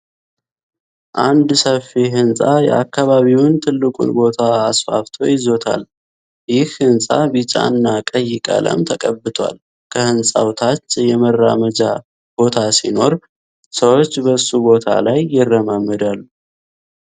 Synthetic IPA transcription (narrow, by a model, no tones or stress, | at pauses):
ʔand̪səfiɦɨnsʼajɛ̰akːaβaβiwnt̪ʰɨlːɨkʼṵnbo̞t̪ʰaːsfa̰ft̪ʰo̞̰jɪzo̞t̪ʰa̰l | jɪhhɨnsʼabɨt͡ʃʼa̰nːakʼəjːɪkʼa̰lʔə̰mt̪ʰəkʼəbːɨt̪ʰa̰l | kʰəhɨnsʼa̰wt̪ʰat͡ʃːjɛmərːa̰məd͡ʒa | b̥o̞t̪ʰasino̞ɾ | səwo̞t͡ʃːbəsːubo̞t̪ʰa̰lajːɪrːəmamːɨd̪alːu